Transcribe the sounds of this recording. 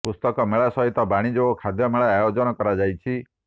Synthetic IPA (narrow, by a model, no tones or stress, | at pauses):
pust̪ɔkɔmeɭasɔɦit̪ɔbaɽ̃id͡ʒoɔkʰad̪ʱjɔmeɭajajod͡ʒɔnɔkɔɾad͡ʒajt͡ʃʰi